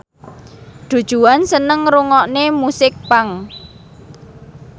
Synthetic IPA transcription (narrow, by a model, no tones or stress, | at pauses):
ɖ̪̥ṳd̥ʒ̥ṳansənəŋɾuŋɔʔnemusɪk̚paŋ